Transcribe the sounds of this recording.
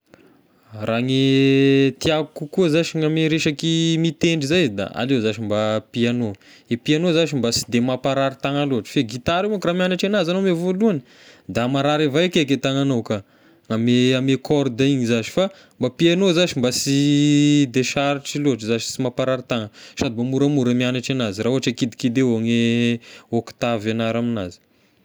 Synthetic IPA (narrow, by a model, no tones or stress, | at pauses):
raŋe | t̪iakukukuəzaʃiŋameɾeʃakimit̪eɳɖ͡ʐizajzd̪a̰a̰lewzaʃimbapiano | epianozaʃimbasi̥d̪emapaɾaɾit̪aŋaloaʈ͡ʂə̥feɡit̪aɾeakramianaʈ͡ʂenazanomevoluani | d̪amaɾaɾevajakeket̪aŋanowka | ŋameamekʰɔrd̪aiɲizaʃi̥fa | mbapianozaʃimbasi | d̪eʃaɾiʈ͡ʂiloɦaʈ͡ʂəzaʃi̥simapaɾaɾit̪aŋəsad̪ibamuɾamuɾəmianaʈ͡ʂanazirauɦaʈ͡ʂakid̪ikid̪eaŋe | okt̪avanaɾaminazi̥